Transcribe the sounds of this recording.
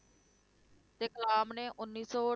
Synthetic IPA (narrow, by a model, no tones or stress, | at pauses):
t̪eːkəlaːmneːʔʊnːiːsɔː